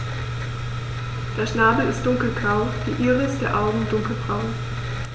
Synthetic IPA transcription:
d̥eːɐʃnaːbl̩ɪstd̥ʊŋkl̩ɡʁaʊd̥iːʔiːʁəɪst̚d̥eːɐʔaʊɡŋ̩dʊŋkl̩b̥ʁaʊ

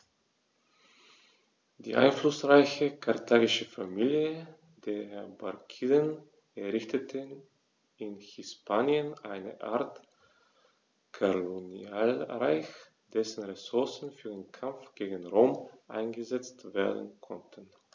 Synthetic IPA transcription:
d̥ḭːʔa̰ɪnflʊsʁaɪçəkʰaɐtʰaːɡɪʃəfamiːljə | d̥eːɐhɛbakʰiːdən | ɛɐʁɪçtətʰən | ɪnhɪspaːnjənʔaɪnə̰ʔaɐt | kʰoloniaːlʁaɪç | d̥ɛsn̩ʁɛsʊɐsn̩fyːɐdeːnkʰamp͡fɡ̥eːɡn̩ʁoːmʔa̰ɪnɡəzɛt͡stv̥eːɐdn̩kʰɔ̰ntʰən̩

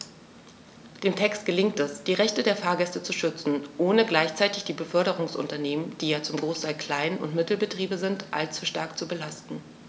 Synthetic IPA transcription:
d̥eːmtʰɛkstɡ̥əlɪŋtɛsd̥iːʁɛçtədeːɐfaːɐɡɛstət͡suʃʏt͡sn̩ʔoːnəɡlaɪçt͡saɪtɪçd̥iːbəfœɐɾəʁ̞ʊŋsʔʊ̰ntɐneːmənd̥iːjaːt͡sʊmɡʁoːstʰaɪlkl̥aɪnʊ̰ntmɪtl̩bətʁ̥iːbəzɪntʔa̰lt͡suʃta̰ɐkt͡subəlastn̩

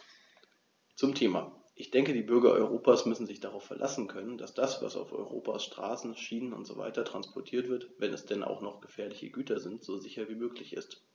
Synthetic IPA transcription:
t͡sʊmtʰeːmaː | ʔɪçd̥ɛŋkədiːbʏɐɡɐʔɔ̰ʏʁ̞oːpaːsmʏsn̩zɪçd̥aʁaʊfɛɐlʔa̰sn̩kʰœnənda̰sd̥asv̥a̰sa̰ʊfɔ̰ʏʁo̰ːpʰaːsʃtʁ̥a̰ːsn̩ʃiːnənʊ̰ntz̥o̰ːva̰ɪtɐtʁ̥anspʰɔɐtʰiːɐtv̥ɪɐtvɛnɛsd̥ɛnʔa̰ʊxnɔχɡ̥əfɛːɐlɪçə̰ɡyːtʰɐzɪntz̥oːzɪçɐviːmøːklɪçɪ̰st

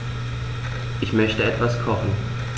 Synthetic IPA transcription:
ʔɪçmœçtəɛtv̥askʰɔχn̩

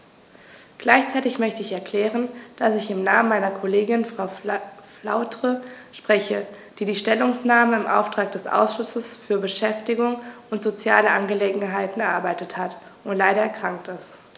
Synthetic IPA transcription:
ɡ̥laɪçt͡saɪtɪçmœçtəɪçɛɐkl̥ɛːʁ̞ənd̥asɪçɪmnaːmənmaɪnɐkʰoleːɡɪnfʁ̥aʊfla̰ʊtʁ̥ə | ʃpʁ̥ɛçə | d̥iːdiːʃtɛlʊŋsnaːməɪmʔa̰ʊftʁ̥aːk̚d̥ɛsʔa̰ʊsʃʊsəsfyːɐbəʃɛftɪɡʊŋʊntz̥ot͡sja̰ːləʔanɡəleːɡŋ̩ɦaɪtn̩ɛɐʔaɐbaɪtəthat | ʊntlaɪɾɐɛɐkʁ̥aŋk̚tɪst

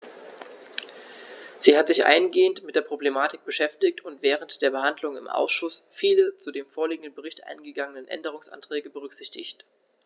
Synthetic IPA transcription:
z̥iːhatz̥ɪçʔa̰ɪnɡeːəntmɪtd̥eːɐpʁ̥oblemaːtɪk̚b̥əʃɛftɪktʊntv̥ɛːʁəntd̥eːɐbəhandlʊŋɪ̰mʔa̰ʊsʃʊsfiːlət͡sudeːmfoːɐliːɡŋ̩dən̩bəʁ̞ɪçtʔa̰ɪnɡəɡaŋənənʔɛ̰ndəʁ̞ʊŋsʔa̰ntʁ̥ɛːɡəbəʁ̞ʏkz̥ɪçtɪ̰çt

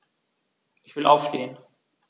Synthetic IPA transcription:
ʔɪçv̥ɪlʔa̰ʊfʃteːən

